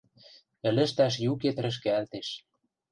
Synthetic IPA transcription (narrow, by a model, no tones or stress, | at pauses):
ɘ̆lə̆ʃt̪æʃ̬juket̪̆ɾə̆ʃ̬kĕælt̪eʃ